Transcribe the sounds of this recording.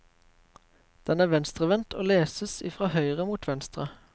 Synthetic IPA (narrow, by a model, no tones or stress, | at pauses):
d̪̥ɛnæːʋɛnst̪ʁəʋɛnt̪ʰoːleːsəsḭːfʁɑːhœʏʁəmuːt̪ʰʋɛnst̪ʁə